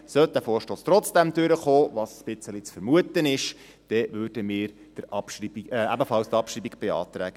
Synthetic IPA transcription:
sœt̚d̪æfoːɾʃtoːst̪rɔt͡sd̥ɛmd̥̪ʉɾəχoːʋɑssb̥ɪt͡səlit͡sfəɾmuət̪ənɪʃ | d̥ɛʋøːd̥əmɪːɾ | d̥əɾɑpʃribiɛæbəfɑlst̪ɑpʃriːbiɡb̥eɑ̰ːt̪ɾæːɡ̥ə

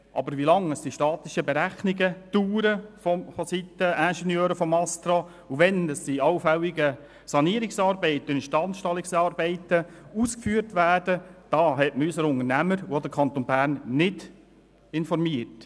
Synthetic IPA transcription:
ʔɑ̰bəɾʋilɑŋəsd̥iʃtɑːt̪ɪʃəbɛɾæχniɡətuːɾəfɔmfɔsit̪ːəænʃɛnjøːɾəfɔmɑst̪ɾɑ | uʋɛnəsiɑwfɛlːiɡə | sɑniːɾɪksɑːɾbɛɪt̪ːənʃtɑnʃtɑlːɪksɑːɾbɛɪtəuːskfyːəɾtʋæːd̥əd̥ɑːɦɛtməysəɾʊŋərnæməɾod̪əɾkʰɑnt̪onbæːɾnːɪd | ɪnfɔrmiərt

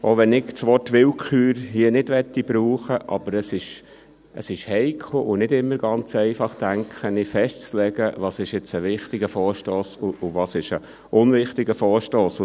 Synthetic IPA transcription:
ʔoʋɛnɪkt͡sʋɔtʋɪlkʰχyːɾhiənɪd̥ʋɛtːib̥ɾuːχəʔɑ̰b̥əɾəsɪʃ | ʔə̰sɪʃhɛɪkʰχl̩ʔʊnɪdɪmːəɾɡ̥ɑnt͡sɛɪfɑχtæŋkχənɪfɛʃtt͡slɛɡəʋɑːsɪʃjɛt͡səʋɪχtɪɡəfɔːɾʃtoːsʊʊʋɑːsɪʃə | ʊnʋɪχtɪɡəfɔːɾʃtoːsʊ

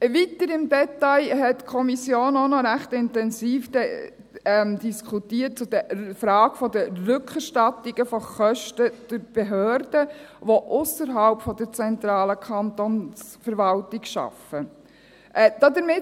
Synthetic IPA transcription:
ʋitəɾɪmdɛt̪ajɦɛtkʰɔmisjoːnɔnɔɾæχtɪntɛnsiːfd̥ɛ | ɛmd̥iskʰutiːət̚t͡sʊd̥əfɾɑːɡ̥fɔdərʏkχəɾʃtɑtɪɡ̥əfɔχœʃtəd̥ʊɾb̥eɦøːɾd̥əʋoʔʊsəɾɦɑlpfɔd̪əɾt͡sɛnt̪ɾɑːləkʰɑntons | fəɾʋɑltɪɡʃɑ̰fə | ʔd̥ɑd̪əɾmɪ

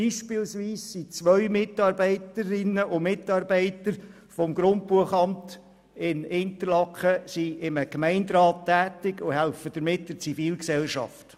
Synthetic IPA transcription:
iːʃpɪlsʋiːsːit͡sʋœʏmɪtɑːɾbɛɪtəɾɪnːəʔʊmɪtːɑːɾbɛɪtəɾ | fɔmɡɾʊnt̚puəχɑmt | ɪnɪnt̪əɾlɑkχəsiɪməkmɛɪndɾɑːtʰːæːtɪɡʊɦælfəd̥əɾmɪtd̥əɾt͡sifiːlksɛlʃɑ̰ft

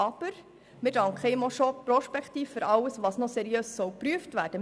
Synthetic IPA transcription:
ɑb̥əɾ | mɪdɑŋkχeɪmɔʃɔpːɾɔʃpɛktiːfːʏɾʔɑwəsʋɑsnɔsɛɾiøːssɔwpɾyəftvæːɾd̥ə

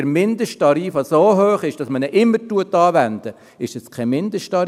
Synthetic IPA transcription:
əɾmɪnd̪əʃtɑɾiːfɑsoːɦøːχɪʃd̥ɑsmənɛʔɪmːəɾtuətɑːʋænd̪̥ə | ɪʃɛskʰɛmɪnd̪əʃtɑɾ

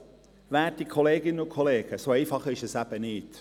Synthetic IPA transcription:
væːtikʰɔleːɡɪnənʊkʰɔleːɡ̥əsoɛɪfɑχɪʃɛsæb̥ənɪːt

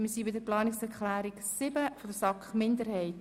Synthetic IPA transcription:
məsiːbɪdəplɑːnɪksɛɾklæːɾiksɪbəfɔdəsɑkχmɪndəɾhɛɪt

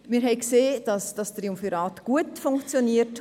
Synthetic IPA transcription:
mɪːɾɦɛɪkseːd̥ɑsd̥ɑst̪riumfiɾɑːtɡ̥uətfʊŋkt͡sjoniət

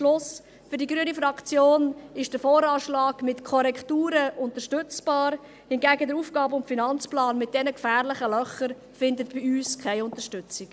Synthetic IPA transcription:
ʃlʊs | fʏɾdiɡɾyənifɾɑkt͡sjoːnɪʃd̥əfɔːɾɑːʃlɑːɡ̥mɪtkʰɔɾɛktuːɾəʊntəɾʃtʏt͡sb̥ɑːɾ | hɪnɡæːɡədəɾuːfɡ̥ɑːbʊntfinɑnt͡splɑːnmɪt̚d̥ɛnəkfæːʁlɪχəlœχəɾ | fɪndətb̥ɪyːskʰaɪʊntəʃtʏt͡sɪk

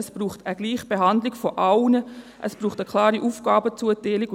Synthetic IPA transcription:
sb̥ruːχtəɡ̥liːχb̥eɦandlɪkfɔʔawnə | ʔəsb̥ruːχtəkʰl̥ɑːɾiʔuːfɡ̥aːbət͡suətɛːlɪɡ

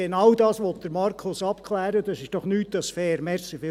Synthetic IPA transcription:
enɑwdɑːsʋɔt̪̚d̥̪əɾmɑrkʰʊsɑpkʰlæːɾəd̥ɑsɪʃd̥ɔχnyːtd̥ɑsfɛːɾmɛsifɪ

